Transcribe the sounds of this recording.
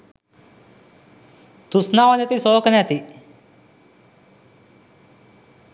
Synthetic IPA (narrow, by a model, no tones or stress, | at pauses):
t̪usnaʋanet̪isoːknɛt̪i